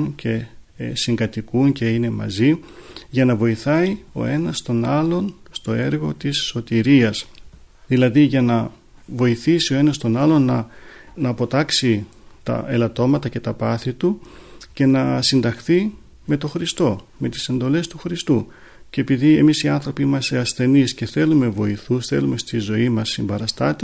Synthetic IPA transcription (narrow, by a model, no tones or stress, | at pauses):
ncʰe̞ | siŋɡɐt̪ikunce̞ine̞mɐ̰ziʝɐnɐvo̞iθɐio̞̰e̞nɐst̪o̞nɐlo̞nst̪o̞e̞ɾɣo̞t̪isːo̞t̪iɾiɐs | ðilɐðiʝɐnɐ | vo̞iθisio̞e̞nɐst̪o̞nɐlo̞nːɐnɐpo̞t̪ɐksi | t̪ɐ̰elɐt̪o̞mɐt̪ɐce̞t̪ɐpɐθit̪uce̞nɐsind̪ɐxθi | me̞t̪o̞xɾist̪o̞me̞t̪i̥se̞nd̪o̞le̞st̪uxɾist̪u | cepiðie̞misiɐnθɾo̞piimɐseɐsθe̞nisce̞θe̞lume̞vo̞iθusθe̞̰lume̞st̪izo̞imɐsːimbɐɾɐst̪ɐt̪e